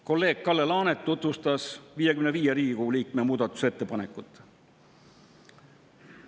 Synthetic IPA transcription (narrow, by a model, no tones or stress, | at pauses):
ko̞lːe̞ːɡ̥̚kɑlːelɑːnet̪ːut̪vust̪ɑsviːjekymneviːjeɾiːikuuliːk̚me̞muːd̪ɑt̪ːˑu̥se̞t̪ːe̞pɑnekːˑut̪ːˑ